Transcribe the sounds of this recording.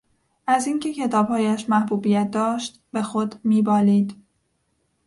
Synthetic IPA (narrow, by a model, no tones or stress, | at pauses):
ʔæziŋcʰe̞cʰe̞t̪ʰɒːb̥hɒːjæʃmæhbuːbijæt̪̚d̪ɒːʃt̪be̞xod̪miːbɒːliːd̪